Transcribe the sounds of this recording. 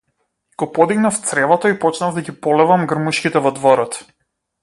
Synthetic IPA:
ɡ̥ɔpɔd̪iɡnaft̪sɾɛvɔt̪aipɔt͡ʃnavd̪aɡipɔlɛvamɡr̩muʃkʲit̪ɛvɔd̪vɔɾɔt̪

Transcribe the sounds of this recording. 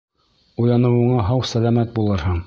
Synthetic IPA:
uj̪ˠɑnɤ̆wɤ̆ɴɑɦɑwsælæmæt̪̚bulˠɤɾhɤɴ

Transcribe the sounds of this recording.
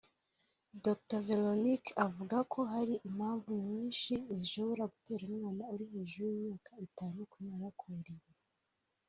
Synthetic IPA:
doktave̞lonikavuɡakʰo̞ɦaɾiʔim̥haːɱvuɲɲiːnʃiziʃo̞βo̞ɾaɡute̞ːɾimŋaːnauɾihe̞ːʒujimɲaːkaitanukujaːɾakʰuɾiwe

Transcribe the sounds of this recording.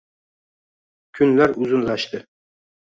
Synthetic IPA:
kʲʰynlæɾuzunlˠɑʃt̪ʰɨ

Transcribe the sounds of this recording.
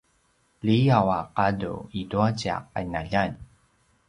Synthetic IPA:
liawaqadṵiduat͡ɕa̰q̚a̰inaʎan

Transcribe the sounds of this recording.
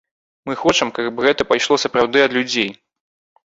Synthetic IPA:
mɨxɔt͡ʂɐmkabɣɛt̪ɐpajʂlˠɔsɐpɾawd̪ɨɐd̪lʲud͡zʲej

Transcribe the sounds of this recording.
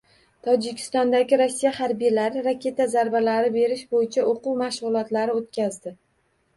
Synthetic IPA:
t̪ʰɒd͡ʒɪkʲʰɪ̥st̪ɒnd̪aɡʲɪɾosːijahaɾbijlaɾɪɾakʲʰe̞t̪azaɾbalaɾɪbe̞ɾɪʃbojɪt͡ʃʰaʔoquwmaʃʁʊlˠɒt̪laɾɪot̪̚kʲazd̪ɪ

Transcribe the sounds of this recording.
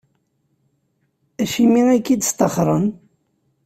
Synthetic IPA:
æʃimiækːid̪ə̥st̪əχɾˤən

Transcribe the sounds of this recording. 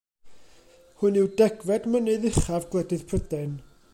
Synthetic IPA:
hʊnɪwdɛɡvɛdmənɨðɪχavɡlˠɛdɨðpʰrədɛn

